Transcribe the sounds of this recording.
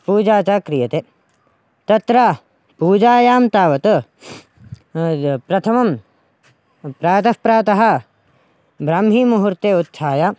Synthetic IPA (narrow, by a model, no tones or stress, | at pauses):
puːd͡ʒaːt͡ʃaːkɾijɐt̪eː | t̪ɐt̪ɾaː | puːd͡ʒaːjaːmt̪aːʋɐt̪ɐ | pɾɐt̪ʰɐmɐm | pɾaːt̪ɐpɾaːt̪ɐɦɐ | bɾaːmɦiːmuɦuɾt̪eːut̪sʰaːja